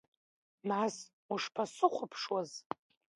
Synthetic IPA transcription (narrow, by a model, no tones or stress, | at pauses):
mas | uʂpʰasɨχʷʊpʰʂwaz